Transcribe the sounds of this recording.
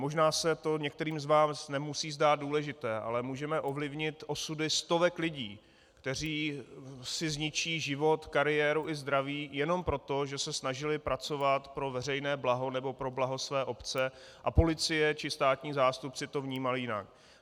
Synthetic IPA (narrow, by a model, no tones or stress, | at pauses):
mo̞ʒnaːsɛt̪o̞ɲɛk̚t̪ɛɾiːmzvaːsnɛmusiːzdaːd̪̚duːlɛʒɪt̪ɛːʔa̰lɛmuːʒɛmɛʔo̞vlɪvɲɪt̪ʔo̞sudɪst̪ovɛklɪɟiː | kt̪ɛr̝iː | sɪzɲɪt͡ʃiːʒɪvo̞t̪kaɾɪjɛːɾuʔɪzd̪ɾaviːjɛno̞mpɾo̞t̪o̞ʒɛsɛsnaʒɪlɪpɾat͡so̞vat̪pɾo̞vɛrɛjnɛːblaɦo̞nɛbo̞pɾo̞blaɦo̞svɛːʔo̞pt͡sɛ | ʔapo̞lɪt͡sɪjɛt͡ʃɪst̪aːt̪ɲiːzaːst̪up̚t͡sɪt̪o̞vɲiːmalɪjɪna̰k̚